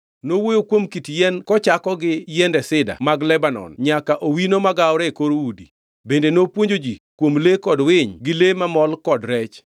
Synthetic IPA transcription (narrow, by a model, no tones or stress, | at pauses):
nowojokwomkitjɛnkɔt͡ʃakɔɡɪjɛndɛsɪda̰maɡlɛbanɔ̰nɲakaʔowinomaɡaɔɾɛkoɾoudḭ | bendenopwoɲd͡ʒod͡ʒikwomlekɔdwɪɲɡɪlemamɔlkɔdɾɛt͡ʃ